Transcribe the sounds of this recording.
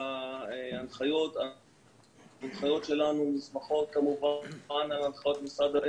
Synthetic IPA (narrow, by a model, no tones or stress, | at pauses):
aeanχajo̞t̪a | anχajo̞tʃe̞lanumizmaχo̞t̪̚kamuvanbanalanχajo̞t̪misad̪aʔ